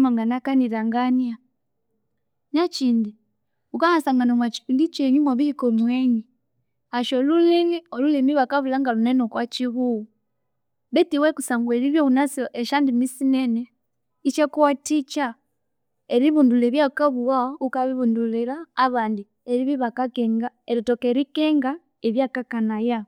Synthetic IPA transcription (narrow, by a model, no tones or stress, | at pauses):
maŋɡanakaniɾaŋɡanja | nat͡ʃiːndi | ukahasaŋɡanamwat͡ʃi̥indit͡ʃeɲimwaβihikomweːɲi | aʃoluliniolulimiβakaβulaŋɡalunenokwat͡ʃiβuu | βetiwekusaːŋɡweɾiβjounasʔeʃandimisinene | it͡ʃekuwatit͡ʃa | eɾiβunduleːβjakaβuwaukaβiβunduliɾaːβaːndi | eɾiβiβakakeŋɡa | eɾitokeɾikeŋɡa | eβjakakanaja